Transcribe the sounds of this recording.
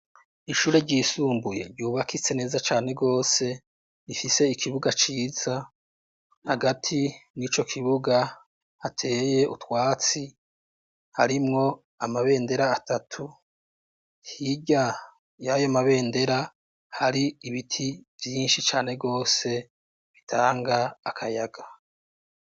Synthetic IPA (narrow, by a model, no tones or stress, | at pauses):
iʃuːɾe̞ɾɟiːsuːmbuje̞̰ɾɟjuːβakit͡se̞ne̞ːzat͡ʃaːne̞ɡo̞ːse̞ | ifise̞ikʰiβuɡat͡ʃiːz̥a | haɡatʰinit͡ʃo̞kʰiβuɡa | hatʰe̞ːje̞ṵtwaːt͡si | haɾimŋo̞ | amaβe̞ːnde̞ɾaːtatʰu | hiɟa | jajomaβe̞ːnde̞ɾa | haɾiːβitʰivjiːnʃit͡ʃaːne̞ɡo̞ːse̞ | βitʰaːŋɡaːkʰajaɡa